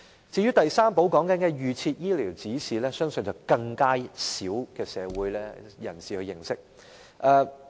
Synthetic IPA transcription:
t͡siː˧ɥyː˥t̪ɐ˨jsaː˥mpo˨˥wkɔː˨˥ŋkɐ˨˥nkɛː˧jyː˨t͡sʰiː˧t̚jiː˥liː˨˩wt͡siː˨˥siː˨lɛː˥sœː˥ŋsɵ˨nt͡sɐ˨˩wkɐ˧ŋkaː˥siː˨˥wkɛː˧sɛː˨˧wuː˨˥jlɛː˥jɐ̰˨˩nsiː˨hɵ˧jɪ˨˩ŋsɪ˥k̚ | ʔɛː˧

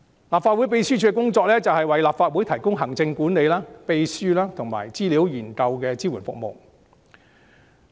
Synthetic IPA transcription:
laː˨p̚fa˧t̚wu˨˥jpe˧jsyː˥t͡ʃʰyː˨˥kɛ˥kʊ˥ŋt͡sɔː˧k̚lɛː˥t͡sɐ˨whɐ˨jwɐ˨jlaː˨p̚faː˧t̚wuː˨˥jt̪ʰɐ˨˩jkʊ˥ŋɦɐ˨˩ŋt͡sɪ˧ŋkuː˨˥nne˨˧jlaː˥pe˧jsyː˥laː˥t̪ʰʊ˨˩ŋma̰ː˨˩jt͡siː˥liː˨˥wjiː˨˩nkɐ˧wkɛː˧t͡siː˥wuː˨˩nfʊ̰˨k̚mo̰˨w

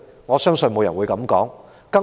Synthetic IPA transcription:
ŋɔː˨˧sœː˥ŋsɵ˧nmo˨˧wjɐ˨nwu˨˧jkɐ˨˧˥mkɔː˨˥ŋ | kɐ˥

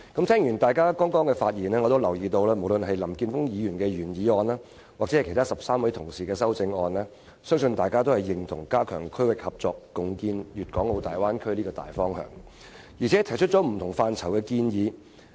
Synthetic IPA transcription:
kɐ˨˥mt̪ʰɛː˥ŋjyː˨˩nt̪aː˨˩jkaː˥kɔː˥ŋkɔː˥ŋkɛ˧faː˧t̚jiː˨˩nɛː˥ŋɔː˨˧t̪o˥wlɐ˨˩wjiː˨t̪o˧wlɛː˥mo˨˩wlɵ˧nɦɐ˨jlɐ˨˩mkiː˧nfʊ˥ŋjiː˨˧jyː˨˩nkɛː˧jyː˨˩njiː˨˧ɔː˧naː˥ | wa˨t͡sɛ˨˥˨jkʰjt̪aː˥sɐ˨p̚saː˥mwɐ˨˥jt̪ʰʊ˨˩ŋsiː˨kɛː˧sɐ˥wt͡sɪ˧ŋɔː˧nlɛː˥ | sœː˥ŋsɵ˧nt̪aː˨jkaː˥t̪o˥whɐ˨jːɪ˨˩ŋt̪ʰʊ̰˨˩ŋkaː˥kʰœ̰ː˨˩ŋkʰɵ˥wɪ˨k̚hɐ˨p̚t͡sɔː˨˧kːʊ˨ŋkiː˧njyː˨t̚kɔː˨˥ŋlo˧wt̪aː˨jwaː˥nkʰɵ˥ɥliː˥kɔː˧t̪a̰ː˨jfɔː˥ŋhœ̰ː˨˩ŋ | jiː˨˩t͡sʰɛ˨˥tʰjt͡ʃʰɵ˥t̚t͡ʃɔ˨˦˥m̩˨˩t̪ʰʊ˨˩ŋfaː˨˧nt͡sʰɐ˨˩wkɛ˧kiː˧njiː˨˧

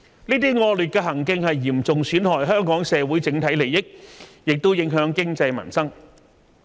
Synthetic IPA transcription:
niː˥t̪iː˥ŋɔː˧lyː˨t̚kɛː˧ɦɐ˨˩ŋkɪ˧ŋhɐ˨jːiː˨˩mt͡sʊ˨ŋsyː˨˥nt̪ʰɔː˨˩jɦœː˥ŋkɔː˨˥ŋsɛː˨˧wuː˨˥jt͡sɪ˨˥ŋt̪ʰɐ˨˥jle˨˩jɪ˥k̚jɪ˨k̚t̪o˥wjɪ˨˧˥ŋɦœː˨˥ŋkɪ˥ŋt͡sɐ˧jmɐ̰˨˩nsɐ˥ŋ

